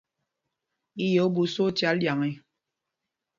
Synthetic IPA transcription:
i˦jo˨˦bu˨so˦tja˨˦llja˨ŋi˦

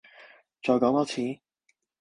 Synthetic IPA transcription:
t͡ʃɔː˨jkɔː˨˥ŋt̪ɔː˨˥t͡sʰiː˨˥˦

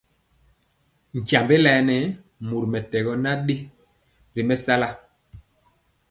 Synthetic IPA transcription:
ŋ̩˨kja˨mbe˦lɛ˨˦nɛ˨˦ | mu˨ɾmɛ˨tɛ˨ɣɔ˦na˦ɗe˦ | ɾi˨mɛ˦sa˦la˦

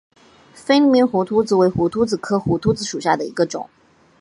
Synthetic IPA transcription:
fe˥ɪli˧˥˩mi˧˥nxu˧˥t̪ʰu˥t͡sɹ̩˧we˧˥ɪxu˧˥t̪ʰu˥t͡sɹ̩˨˩kʰɤ˥xu˧˥t̪ʰu˥t͡sɹ̩˧˥ʂu˨˩ɕja˥˩d̪ə˩ḭ˧˥ɡə˧ʈ͡ʂʊ̰˨˩˦ŋ

